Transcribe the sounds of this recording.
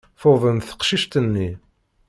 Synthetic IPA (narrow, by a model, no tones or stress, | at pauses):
foðˤənθə̥qʃiʃt̪ənːi